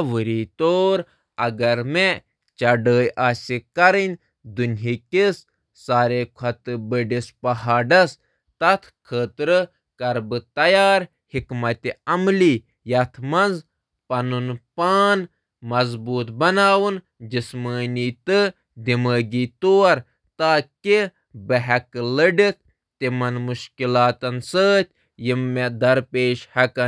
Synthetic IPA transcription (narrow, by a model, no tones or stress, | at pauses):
ʋɨɾiːt̪oːɾ | ɐɡɐɾme | t͡ʃɐɖəːjʔaːsʲikɐɾinʲ | d̪unɦikis | saːɾeːkʰɐt̪ɨbəɖispɐɦaːɖɐs | t̪ɐt̪ʰkʰəːt̪ɾɨ | kɐɾbɨt̪ɐjaːɾ | hikmɐt̪iɐmliː | jɐt̪ʰmɐnz | pɐnunpaːn | mɐzbuːt̪bɐnaːwun | d͡ʒisməːniːt̪ɨ | d̪iməːɡiːt̪oːɐɾ | t̪aːki | bɐɦɐkɨləɖit̪̚ʰ | t̪imɐnmuʃkilaːt̪ɐnsəːt̪ʰʲ | jimːed̪ɐɾpeːʃhɐkɐ